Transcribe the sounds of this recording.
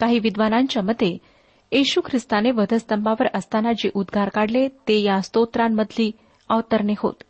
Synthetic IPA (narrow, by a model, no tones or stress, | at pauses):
kaɦiːʋid̪ʋanaɲt͡ɕjaməd̪ʱːe | eɕukʰɾɪst̪aneʋəd̪ʱəst̪əmbaʋəɾəst̪anad͡ʑeʔud̪ɡʱaɾkaɽlet̪ejast̪ot̪ɾamːəd̪ʱliː | əʋt̪əɾɳeɦo̰t̪